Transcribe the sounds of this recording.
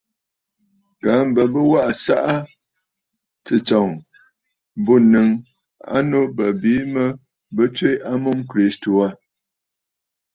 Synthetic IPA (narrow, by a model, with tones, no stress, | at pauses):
ka˨˦m̩˦bə˨bə˦wa˦ʔa˨sa̰˦ʔa˦ | tɨ˨t͡sɔ˨ŋ | bo˦nɨ˨ŋ | a̰˦no˦bə˨biː˨˦mə˦ | bə˦t͡ʃwe˦ja˦mo˦mkɾi˦sto˨a˦